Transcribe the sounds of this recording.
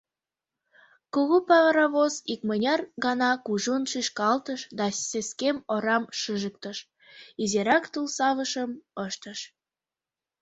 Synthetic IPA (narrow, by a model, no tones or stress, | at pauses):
kuɣupɑɾɑβozik̚mənʲɑrɣɑnɑkuʒunʃiʃkɑlt̪əʃd̪ɑseskemoɾɑmʃɨʒək̚t̪əʃ | izeɾɑkt̪ulsɑβəʃəməʃt̪əʃ